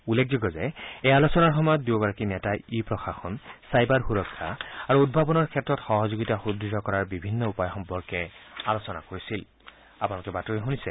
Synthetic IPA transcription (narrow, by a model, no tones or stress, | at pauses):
ulːek̚ʰzoɡɔzɛejalosɔnaɹxɔmɔjɔt̚duɡaɹakinɛtaipɹɔxaxɔnsajbaɹxuɹɔkʰːa̰aɹuud̚bʱabɔnɔɹkʰɛtːɹɔtxɔɦɔzoɡitaxudɹizɔkɔɹaɹbibʱinːɔupajɔxɔmpɔɹkɛalosɔna̰koɹisil | apnalɔkɛbatɔiɦunisɛ